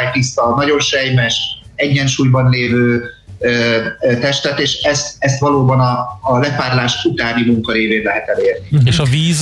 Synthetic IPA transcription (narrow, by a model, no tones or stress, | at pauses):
jt̪isːɒnɒɟo̞nʃɛjmɛʃɛɟːɛnʃuːjbɒnleːvøːøt̪ɛʃt̪ɛt̪eːʃɛst̪ɛst̪ʋɒloːbɒnɒːlɛfaːrlaːʃut̪aːnimuŋkɒɾeːveːnlɛɦɛt̪ɛleːrnieʃɒviːz